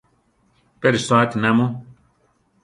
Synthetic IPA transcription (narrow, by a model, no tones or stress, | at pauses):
peɾisaːt̪inamo